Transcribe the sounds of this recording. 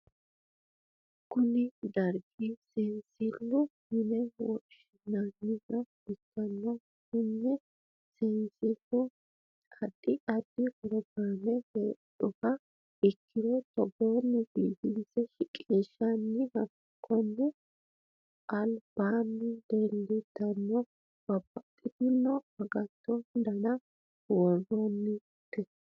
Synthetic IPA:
kʊnɪd̪ɐɾɡisɪnsɪlːʊhɪnɛwɔ̰ʃɪnːanːɪzɐ | ɪkːɐnːɐ | hɪnːɛ | sɪnsɪlːɔ | ɐd̪ɪʔɐd̪̥ɪhʊɾɔɡaːnɛheːᶑʊfɐ | ɪkʰːɪd̪ɔt̪ɔɡonːɪbiːt̪ɪnsɛʃɪkʼeːʃːɐnːɪhɐɡ | kʰːɔnːɛ | ʔɐlb̥aːnːɪd̪elːɪd̪̥ɐnːɔ | b̥ɐbɐt̪ʼːɪt̪ɪnːɔhɐɡɐt̪ːɔnd̪ɐnɐ | wɔrːɔnːɪ | t̪ːɛ

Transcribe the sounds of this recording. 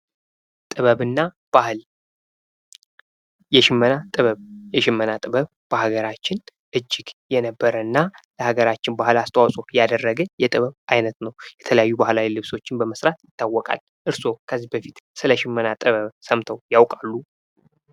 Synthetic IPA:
t̪ʼɨβəβɨnːa | b̥ahɨl | jɛʃɪmːənat̪ʼɨβəβjɛʃɪmːənat̪ʼɨβəβ | b̥əhaɡəɾat͡ʃːɪnʔɨd͡ʒːɪɡjɛnəbːəɾəɨnːaləhaɡəɾat͡ʃːɪnbahɨlast̪ʰʼəwasʼojad̪ərːəɡɨjɛt̪ʼɨβəβajnət̪nəwjɛt̪ʰələjajːubahlawilɨβso̞t͡ʃːɪnbəməsɾat̪jɪt̪ʰːawːɔkʼa̰l | ʔɨɾso̞kʰəzːibəfit̪sɨləʃɪmːənat̪ʼɨβəβsəmt̪ʰəwjawkʼalːu

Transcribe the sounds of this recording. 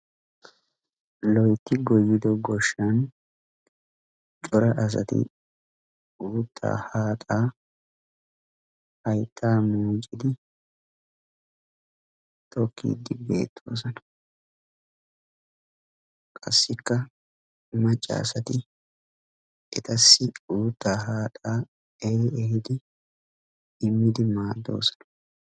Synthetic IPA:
lɔjt̪ːɪɡɔjːɪd̪ɔɡɔʃːɐn | t͡ʃʼɔɾɐʔɐs̬ɐ̰t̪ɪ̰ | uːt̪ʰːa̰ːhaːt̪ʼaː | hɐjt̪ʰːaːmuːt͡ʃʼɪd̪ɪ | t̪ʼɔkːḭːd̪ːɪbe̞̰ːt̪ʰːoːs̬ɐnɐ | kʼɐ̰sːɪkːɐ | mɐt͡ʃʼːa̰ːsɐt̪ɪ | ʔɛt̪ɐsːɪuːt̪ːaːɦaːt̪ʼaː | ɛɾɪɛhɪd̪ɪ | ɪmːɪd̪ɪmaːd̪ːo̞̰ːsɐ̥nɐ̥

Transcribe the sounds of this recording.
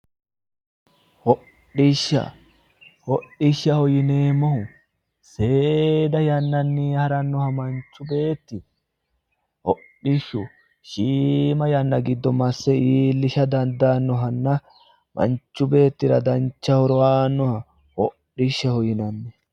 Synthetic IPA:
hɔ | ɗɪʃːɐ̰ | hɔɗːɪʃːɐhɔjɪneːmːɔhʊ | seːd̪ɐjɐnːɐnːɪhɐɾɐnːɔhɐmɐnt͡ʃːʊbe̞ːt̪ːɪ | hɔɗɪʃːʊ | ʃiːmɐjɐnːɐɡɪd̪ːɔmɐsːɛiːlːɪʃɐd̪ɐnd̪anːɔɦɐnːɐ | mʔɐ̰nt͡ʃːʊbe̞ːt̪ːɪɾɐd̪ɐnt͡ʃːɐhɔɾɔwaːnːɔhɐ | hɔɗːɪʃːɐhɔjɪnɐnːɛ

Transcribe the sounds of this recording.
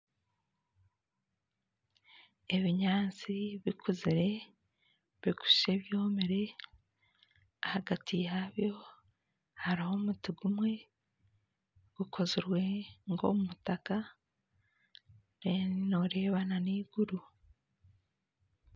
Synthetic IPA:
e̞βiɲaːnt͡siβikʰuziɾe̞ | βiku̥ʃe̞βjo̞ːmiɾe̞ | ahaɡatʰijaβjo̞ | haɾiho̞mutiɡumwe̞ | ɡ̥ukʰo̞ziɾwe̞ŋɡo̞̰mumutaka | ɾenoɾe̞ːβananiːɡ̥uɾu

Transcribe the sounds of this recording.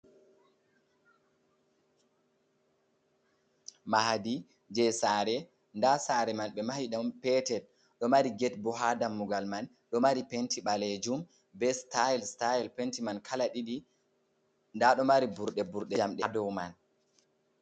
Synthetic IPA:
maɦadi | d͡ʒɛsaːɾɛ | ndasaɾɛmanɓɛmahiɗampɛtɛd | ɗɔmaɾiɡɛtbɔɦadamːuɡalman | ɗɔmaɾipentiɓaled͡ʒum | bɛstaɛlstaɛlpentimankʰalaɗiɗi | ndaɗɔmaɾibuɾɗɛbuɾɗɛd͡ʒamɗɛdɔwman

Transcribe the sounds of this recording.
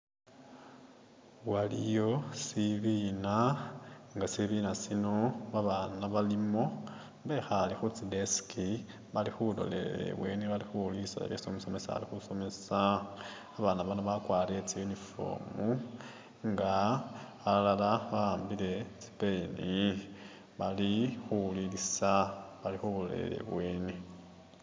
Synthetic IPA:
walḭjo̞siβina | ŋɡasiβiːnasino̞βaβanaβalimo̞ | mβe̞xalixut͡sideski | βalixulo̞̰lḛḛwe̞̰niβalixulisa̰ḛβjesomiso̞me̞sa̰a̰lixuso̞me̞saː | βanaβanaβakwaːlet͡sijunifo̞̰ːmu | ŋɡa | alalalaβaːmbile̞t͡si̥peni | βalixuulilisaβalixuβulolḛɾḛle̞̰βwe̞ːni

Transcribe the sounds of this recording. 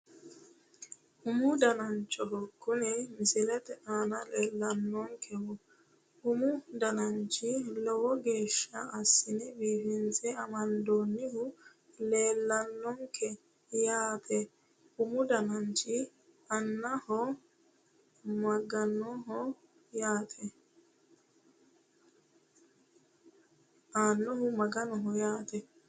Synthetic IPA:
hʊmʊd̪ɐnɐnt͡ʃʼːɔɦɔkːʊnɛmɪsɪlɛt̪ɛʔaːnɐleːlːɐnːɔŋkʰɛwɔ | hʊmʊd̪ɐnɐnt͡ʃʼːɪlɔwɔɡe̞ːʃːɐɐsːɪnɛbiːfɪnt͡sʼɛɐmɐnd̪oːnːɪhʊ | le̞ːlːɐnːɔŋkʰɛ | jaːt̪ʰɛ | hʊmʊd̪ɐnɐnt͡ʃɪ | ɐnːɐhɔ | mɐɡɐnːɔɦɔ | jaːt̪ʰɛ | aːnːɔhʊmɐɡɐnɔɦʊjaːt̪ɛ

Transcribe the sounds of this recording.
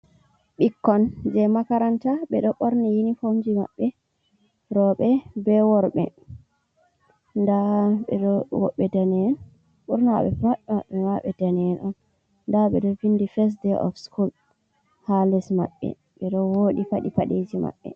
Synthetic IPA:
ɓikːɔnd͡ʒɛmakaɾantaɓɛɗɔɓɔɾnijinifomd͡ʒima̰ɓːɛ | ɾɔɓɛbɛwɔɾɓɛ̰ | ndaɓɛɗɔwɔ̰ɓːɛdanɛɛn | ɓuɾnaɓɛ̰maɓːɛmaɓːɛmaɓɛdanɛnʔɔn | ndaɓɛ̰ɗɔvindifɛs̬dɛʔɔ̰fskul | halɛsma̰ɓːɛ̰ | ɓɛɗɔwoɗifaɗipaɗed͡ʒima̰ɓːɛ̰

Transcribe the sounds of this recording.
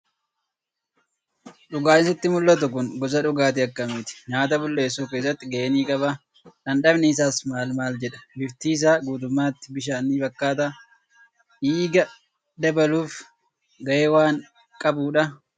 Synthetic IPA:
ᶑʊɡaːɪnsɪt̪ːɪmʊlːɐt̪ʊkʊnɡɔs̬ɐᶑʊɡaːt̪̬ɪɐkːɐmiːt̪ɪ̥ɲaːt̪ɐbʊlːe̞ːsːuːke̞ːs̬ːɐt̪ːɪɡɐʔeːniːkʼɐbɐ | ᶑɐnɗɐbnɪɪsaːsmaːlmaːld͡ʒɛᶑɐ̥bɪft̪iːs̬aːɡuːt̪̬ʊmːaːt̪ːɪbɪʃaːnːiːbɐkːaːt̪̬aː | ʔiːɡɐ | d̪ɐbɐluːf | ɡɐʔeːwaːŋ | kʼɐbuːᶑɐ

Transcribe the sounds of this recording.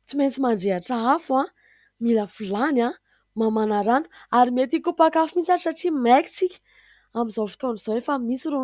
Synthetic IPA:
t͡siment͡simaɳɖ͡ʐeaʈ͡ʂaafua | miləfulana | mamanaɾanu̥aɾimet̪ikupakafimint͡sasaʈ͡ʂimeki̥t͡sikʲ | amizofi̥t̪oniz̥oefamit͡siɾu

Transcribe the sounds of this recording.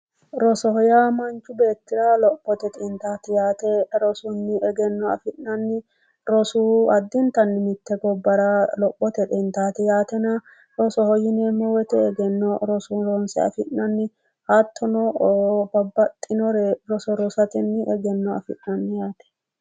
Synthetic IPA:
ɾɔsɔhɔjaːmɐnt͡ʃːʊbe̞ːt̪ːɪɾaːlɔpːɔt̪ɛt̪ʼint̪aːt̪ɛjaːt̪ɛɾɔsʊnːɪɛɡɛnːɔɐ̰fɪnːɐnːɪ | ɾɔsuːɐd̪ːɪnt̪ɐnːɪmɪt̪ːɛɡɔbːɐɾalɔpʼːɔt̪ɛt̪ʼint̪aːt̪ɛjaːt̪ɛna | ɾɔsɔhɔjɪnemɔwɛt̪ɛɛɡɛnːɔɾɔsuɾɔnsɛ̰ɐ̰fɪnːɐnːɪ | hɐt̪ʰːɔnɔbɐbːɐt̪ʼːɪnɔɾɛɾɔsɔɾɔsɐt̪ɪnːɪʔɛɡɛnːɔɐ̰fɪ̰ʔnɐnːɪjaːt̪ɛ̥

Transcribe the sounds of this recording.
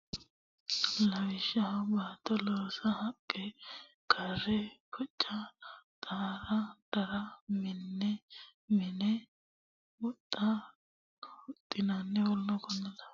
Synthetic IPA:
lɐwʃɐbaːt̪ːɐloːsɐhɐkʼːɛ | kʰɐrɛkʰɔt͡ʃʼːɐt̪ʼaːɾɐd̪̥ɐɾɐmɪnːɛmɪnɛ | wɔt̪ʼːɐ | ʊt̪ʼːɪnanːɛwɔlːɔkɔnɛlɐ

